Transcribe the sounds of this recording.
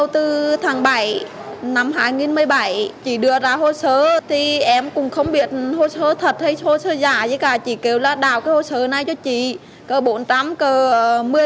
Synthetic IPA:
ə˧wt̪ɨ˧t̪ʰaː˨˦ŋɓa˧˩˦j | na˧mɦaː˧˩jŋi˧ənmɨ˧əjɓa˧˩jt͡ɕḭ˧˩ɗɨ˧˩əzaː˧ho˧səː˧˦t̪ʰi˨˩ʔɛ˧mkʊ˨˩ŋ͡mxə˧wŋ͡mɓi˧˩˨ət̚ho˧səː˧˦t̪ʰə˨˩t̚hə˧jho˧səː˧zaː˧˩zə˨˧˦jkaː˨˩t͡ɕḭ˧˩ke˧˩wlaː˨˩ɗa̰ː˨˩wkaː˨˦jho˧˩səː˧˦na˨˧˩jt͡ɕɔ˧t͡ɕḭ˧˨ | kəː˨˩ɓo˨˦nt͡ɕa˨˦mkəː˨˩mɨ˧ə

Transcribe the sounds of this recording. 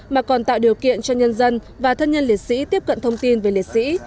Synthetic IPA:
maː˨˩kɔ˨˩nt̪a̰ː˧˨wɗi˨˩əwkḭ˧˨ənt͡ɕɔ˧ɲə˧nzə˧n | vaː˨˩t̪ʰə˧nɲə˧nli˨˩t̚sḭ˧˥t̪i˦˥əp̚kə̰˧˨nt̪ʰə˧wŋ͡mt̪i˧nve˨˩li˨˩t̚sḭ˧˥

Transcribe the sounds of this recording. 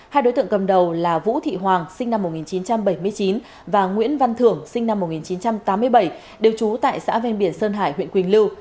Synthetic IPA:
haː˧jɗo˨˦jt̪ɨ̰˧˨ə˨ŋkə˨˩m̚ɗə˨˩wlaː˨˩vṵ˧˥t̪ʰḭ˧˨ɦwaː˨˩ŋsï˧ŋ̟na˧mo˨˩t̚ŋi˨˩nt͡ɕi˨˦nt͡ɕa˧mɓə˧˩jmɨ˧əjt͡ɕi˨˦n | vaː˨˩ŋwḭ˧˥ənva˧nt̪ʰɨ˧˩əŋsï˧ŋ̟na˧mːo˨˩t̚ŋi˨˩nt͡ɕi˨˦nt͡ɕa˧mt̪aː˨˦mːɨ˧əjɓə˧˩j | ɗe˨˩wt͡ɕu˨˦t̪a̰ː˧˨jsa̰ː˧˥vɛ˧ŋɓi˧˩ənsəː˧nɦaː˧˩jɦwḭ˧˨əŋkwi˨˩ŋ̟lɨ˧w

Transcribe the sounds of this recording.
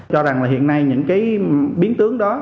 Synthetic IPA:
t͡ɕɔ˧za˨˩ŋlaː˨˩ɦḭ˧˨ənːa˧jɲɨ̰˧˥ŋkaː˨˦jɓi˨˦ənt̪ɨ˨˦əŋɗɔ˨˦

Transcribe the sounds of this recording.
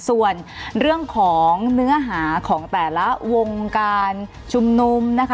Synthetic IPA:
su˨˩ənɾɯ˥˩əŋkʰɔː˩˦ŋnɯ˦˥ɐɦaː˩˦kʰɔː˩˦ŋt̪ɛː˨˩la˦˥wo˧ŋkaː˧n | t͡ɕʰu˧mnu˧mna˦˥kʰa˦

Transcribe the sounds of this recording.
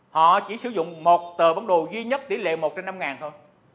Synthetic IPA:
hɔ̰˧˨t͡ɕi˧˩˦sɨ˨˧˦zʊ̰˧˨ŋ͡mmo˨˩t̚t̪əː˨˩va˨˦nɗo˨˩zwi˧ɲə˦˥t̚t̪i˨˧˦lḛ˧˨mo˨˩t̚t͡ɕɛ˧mna˧mŋaː˨˩nt̪ʰo˧j

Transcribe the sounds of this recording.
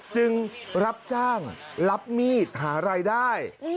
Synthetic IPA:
t͡ɕɯ˧ŋɾa˦˥p̚t͡ɕaː˥˩ŋla˦˥p̚miː˥˩t̪̚haː˩˦ɾaː˧jdaː˥˩j

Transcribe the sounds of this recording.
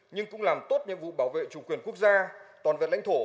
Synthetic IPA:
ɲɨ˧ŋkʊ̰˧˥ŋ͡mlaː˨˩mt̪o˦˥t̚ɲɨ̰˧əŋvṵ˧˨ɓaː˧˩wvḛ˧˨t͡ɕʊ˨˩˦kwi˨˩ənku˦˥ək̚zaː˧t̪waː˨˩nvḛ˧˨nla˧˥jŋ̟t̪ʰo˧˩

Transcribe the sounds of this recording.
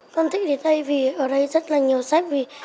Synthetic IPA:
kɔ˧nt̪ʰï˧˥ɗe˨˦nɗə˧jvi˨˩ʔəː˧˩ɗə˧jzə˦˥t̚laː˨˩ɲi˨˩əwsa˦˥k̚vi˨˩

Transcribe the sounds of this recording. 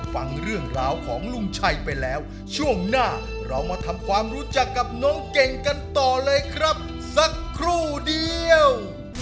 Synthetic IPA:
fa˧ŋɾɯ˥˩əŋɾaː˧wkʰɔː˩˦ŋlu˧ŋt͡ɕʰa˧jpa˧jlɛː˦˥w | t͡ɕʰu˥˩əŋnaː˥˩ | ɾa˧wmaː˧t̪ʰa˧mkʰwaː˧mɾuː˦˥t͡ɕa˨˩kːa˨˩p̚nɔː˦˥ŋke˨˩ŋka˧nt̪ɔː˨˩lɤː˧jkʰɾa˦˥p̚ | sa˧˦kʰːɾuː˥˩di˧əw

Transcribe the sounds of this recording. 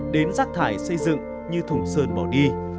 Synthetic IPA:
ɗe˨˦nzaː˦˥k̚t̪ʰaː˧˩jsə˧jzɨ̰˧˨ŋ | ɲɨ˧t̪ʰʊ˨˧˩ŋ͡msəː˧nɓɔ˧˩wɗi˧

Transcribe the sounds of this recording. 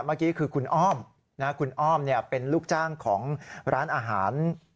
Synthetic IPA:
maː˥˩kiː˦˥kʰɯː˧kʰu˧nʔɔː˥˩m | na˦˥kʰu˧nʔɔː˥˩mni˥˩ɐpe˧nluː˥˩k̚t͡ɕaː˥˩ŋkʰɔː˩˦ŋɾʔaː˦˥nʔaː˧ɦaː˩˦n

